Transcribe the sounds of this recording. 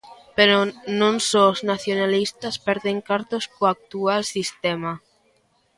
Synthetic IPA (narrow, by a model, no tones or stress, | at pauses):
peɾonõnsoznaθjonalist̪aspeɾðeŋkaɾt̪ospoak̚t̪ualsist̪ema